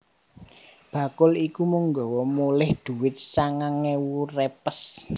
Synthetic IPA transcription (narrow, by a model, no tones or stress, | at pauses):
b̥ä̤kʊlikumuŋɡɔwɔmulɪhd̪̥ṳwɪt̪̚saŋaŋewurepəs